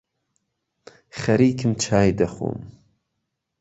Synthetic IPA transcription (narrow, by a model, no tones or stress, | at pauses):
χɐɾiːkʰɨmt͡ʃʰaːjd̪ɐxo̰ːm